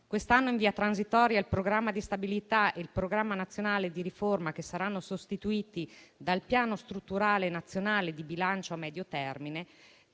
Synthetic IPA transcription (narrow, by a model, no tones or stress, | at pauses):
kwest̪anːoiɱviːat̪ɾanzit̪ɔːɾjailpɾoɡɾamːad̪ist̪abilit̪aelpɾoɡɾamːanat̪sːjonaːled̪iɾiformakesaɾanːosost̪it̪uiːt̪id̪alpjaːnost̪ɾut̪ːuɾaːlenat̪sːjonaːled̪ibilant͡ʃoamːɛːd̪jot̪ɛrmine